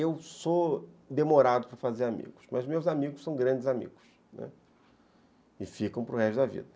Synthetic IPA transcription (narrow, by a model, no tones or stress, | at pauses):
ewsod̪emoɾad̪ʊpɾɐfazeɾamḭɡʊsmɐzmewzamiɡʊsɐ̃w̃ɡɾɐ̃nd͡ʒɪzamḭɡʊs | nɛ̰ | ɪfikɐ̃w̃pɾʊʁɛʃd̪ɐvḭd̪ɐ